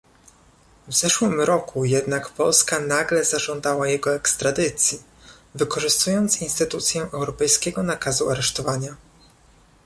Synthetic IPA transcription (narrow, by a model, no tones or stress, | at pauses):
vz̥ɛʂwɘmɾɔkʰujɛd̪nakpɔlskanaɡlɛzaʐɔnd̪awajɛɡɔɛkst̪ɾad̪ɘt̪sʲji | vɘkɔʐɘst̪ujɔnt̪sinst̪ɘt̪ut̪sʲjɛʔɛwɾɔpɛjskʲɛɡɔnakazuaɾɛʂt̪ɔvaɲa